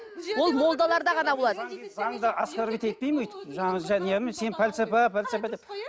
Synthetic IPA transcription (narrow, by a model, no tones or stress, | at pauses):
wolˠmo̞lˠd̪ɑlˠɑɾd̪ɑʁɑnɑbolˠɑd̪əzɑɴd̪ɑɑsqaɾbit̪et̪̚pejmojt̪ə̥ʒɑɑʒænjemense̞npʰælʲsapapʰælʲsapad̪ep